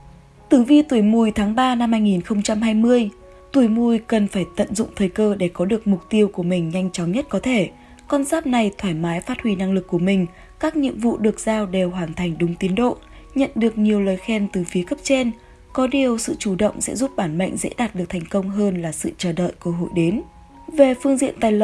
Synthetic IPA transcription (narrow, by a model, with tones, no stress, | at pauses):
t̪ɨ˨˩vi˧˨˩t̪u˨˧˩əjmu˨˩jt̪ʰaː˨˦ŋɓaː˧na˧mhaː˧jŋi˨˩nxə˧wŋ͡mt͡ɕa˧mhaː˧jmɨ˧əj | t̪u˧˩jmu˧˩jkə˨˩nfaː˧˩jt̪ə̰˧˨nzʊ̰˧˨ŋ͡mt̪ʰəː˨˩jkəː˧ɗe˧˩kɔ˨˦ɗɨ˨˩ək̚mʊ˨˩k͡p̚t̪i˧əwku˧˩əmï˨˩ŋ̟ɲa˧jŋ̟t͡ɕɔ˨˦ŋ͡mɲə˦˥t̚kɔ˨˦t̪ʰe˧˩ | kɔ˧nzaː˦˥p̚na˨˩jt̪ʰwaː˧˩jmaː˨˦jfaː˦˥t̚hwi˧na˧ŋlɨ˨˩kːu˧˩əmï˨˩ŋ̟ | kaː˦˥k̚ɲḭ˧˨əmvṵ˧˨ɗɨ˨˩ək̚z̥aː˧wɗe˨˩wɦwaː˨˩nt̪ʰa˨˩jŋ̟ɗʊ˨˦ŋ͡mt̪i˨˦ənɗo̰˧˨ | ɲə̰˧˨nɗɨ˨˩ək̚ɲi˨˩əwləː˨˩jxɛ˧nt̪ɨ˨˩fi˨˦əkə˦˥p̚t͡ɕe˧n | kɔ˨˦ɗi˨˩əwsɨ̰˧˨t͡ɕu˧˩ɗə̰˧˨wŋ͡msɛ̰˧˥zu˦˥p̚ɓaː˧˩nmə̰˧˨ŋ̟zḛ˧˥ɗaː˨˩t̚ɗɨ˨˩k̚t̪ʰjŋ̟kə˧wŋ͡mɦəː˧nlaː˨˩sɨ̰˧˨t͡ɕəː˧˩ɗə̰ː˧˨jkəː˧ɦo̰˧˨jɗe˨˦n | ve˨˩fɨ˧əŋzḭ˧˨ənt̪aː˨˩jl